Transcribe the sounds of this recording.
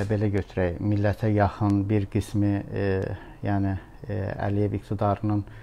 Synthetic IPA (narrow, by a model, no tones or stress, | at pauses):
be̞læɟøt̪ʰyɾæjmilːæt̪ʰæjɑxɯnbiɾɡ̥ismi | jæːni | æ̰lijevikt̪ʰid̪ɑɾɯnɯn